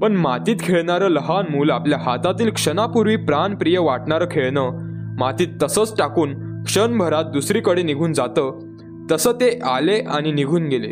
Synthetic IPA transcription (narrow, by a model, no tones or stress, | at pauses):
pəɳmat̪iːt̪kʰeɭɳaɾəːləɦanmuːlapljaɦat̪at̪iːlkʂənapuɾʋiːpɾanpɾijəʋaʈɳaɾəkʰeɭnə | mat̪iːt̪ːəsəːt͡sʈakuːnkʂənbʱəɾat̪̚d̪usɾiːkəɽeniɡʱuːnd͡zat̪ə | t̪əsəːt̪eʔaleʔaɽ̃iniɡʱuːnɡelḛ